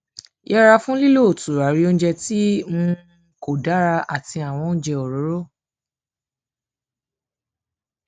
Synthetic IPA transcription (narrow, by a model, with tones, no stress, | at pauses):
jɛ˦ɾa˧fũ˦li˦lo˦˨tu˨ɾa˨˦ɾi˨˦o˦n̩˦d͡ʒɛ˧ti˦mũ˧ | ko˨da˨˦ɾa˧a˨ti˧a˨w̃ɔ̃˧n̩˦d͡ʒɛ˧ɔ˨ɾo˨˦ɾo˦˨